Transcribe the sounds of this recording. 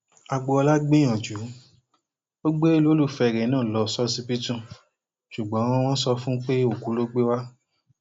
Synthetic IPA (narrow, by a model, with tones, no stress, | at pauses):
a˧ɡ͡bo˧ɔ˧la˦ɡ͡be˦j̃ɔ̃˨d͡ʒu˨˦ | o˦ɡ͡be˦lo˨˦lu˦˨fɛ˧˨ɾɛ˨˦nãː˦˨lɔ˧˨sɔ˦si˦pi˦tũ˦˨ | ʃu˨ɡ͡bɔ̃˨˦w̃ɔ̃˦sɔ˧fũ˦k͡pe˦o˨ku˨˦lo˦ɡ͡be˦wa˦